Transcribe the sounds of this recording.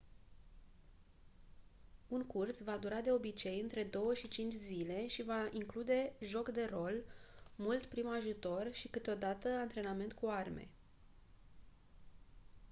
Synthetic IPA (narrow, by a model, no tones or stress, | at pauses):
uŋkursvad̪uɾad̪e̞o̞bit͡ʃe̞jɨnt̪ɾe̞d̪o̞wəʃit͡ʃint͡ʃʲzile̞ʃivaiŋklud̪e̞ʒo̞kd̪e̞ro̞lmult̪pɾimaʒut̪o̞rʃikɨt̪eo̞d̪at̪əant̪ɾe̞name̞nt̪kuarme̞̰